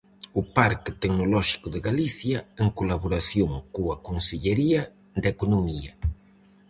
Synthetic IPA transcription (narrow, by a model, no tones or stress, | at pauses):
ʊpaɾkɪt̪eknolɔʃi̥kʊðɪɣaliθjɐeŋkolaβoɾasjoŋkoɐkonseʎeɾiɐ | d̪ekonomiɐ